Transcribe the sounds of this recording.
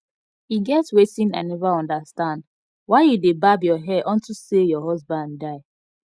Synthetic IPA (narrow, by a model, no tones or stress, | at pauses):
iɡɛtwetĩnã̰nːɛvaɔ̃ndastãnd | waɪjudebabjɔɦɛʔɔ̃ntusejɔɦɔzbãnddaɪ